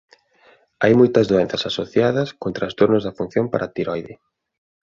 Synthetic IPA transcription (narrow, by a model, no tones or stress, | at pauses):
ajmojt̪ɐzðoɛn̟θɐsasoθjaðɐskont̪ɾast̪oɾnʊzðɐfun̟θjompaɾʔat̪iɾɔjðɪ